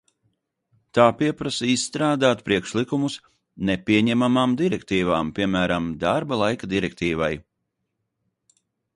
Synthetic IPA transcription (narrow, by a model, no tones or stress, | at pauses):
t̪aːpiɛpɾasɛisːt̪ɾaːd̪aːt̪pɾiɛkʃlˠikumus | nɛpʲiɛɲɛmamaːmd̪iɾɛkt̪iːvaːmpʲiɛmæːɾamd̪aɾbalˠajkad̪iɾɛk̚t̪iːvaj